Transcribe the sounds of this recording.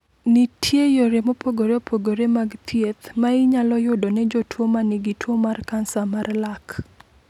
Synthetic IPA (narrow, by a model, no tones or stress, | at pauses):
nitʰjejoɾemopʰoɡoɾeopʰoɡoɾemaɡt̪ʰjet̪maɪɲalɔjʊdonɛd͡ʒotʰwomanɪɡitʰwomarkansamarlak